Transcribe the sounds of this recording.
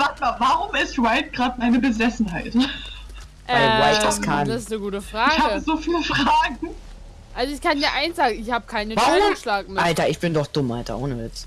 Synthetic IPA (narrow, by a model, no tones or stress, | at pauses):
vatmaːvaʁʊmɪstʁaɪt̚ɡ̥ʁaːtmaɪnəbəzɛsn̩ɦaɪt | ʔvaɛʁaɪtaskʰandasɪsnəɡuːtəfʁ̥aɪːçɡhaːbəzoːfiːləfʁ̥aːɡŋ̩ | ʔalzoɪçkʰanjaːɐʔaɪnsz̥aːɡŋ̩ɪçhaːbəkʰaɪnəvaʁʊmʃlaːkmɪʔaltɐɪçb̥ɪndɔχd̥ʊmʔalta̰ʔoːnəɛt͡s